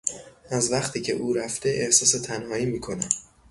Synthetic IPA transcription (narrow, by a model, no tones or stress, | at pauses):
ʔæzvæχt̪ʰiːcʰe̞̰ʔuːɾæft̪e̞ʔehsɒːse̞t̪ʰænhɒːiːmiːkʰo̞næm